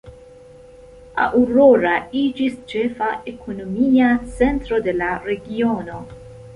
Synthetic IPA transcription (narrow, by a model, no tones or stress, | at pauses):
a̰ʔuɾoɾaid͡ʒist͡ʃefaʔekʰonomiat͡sent̪ɾo̞d̪elaɾeɡiono̞